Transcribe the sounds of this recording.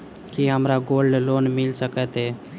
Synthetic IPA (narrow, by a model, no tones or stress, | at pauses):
kiɦəmɾaɡolɖlonmɪlsəkɛt̪e